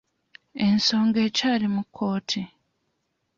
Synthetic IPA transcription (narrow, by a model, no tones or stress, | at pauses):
e̞nso̞ːŋɡe̞ːcaːlimukʰːo̞ːtʰi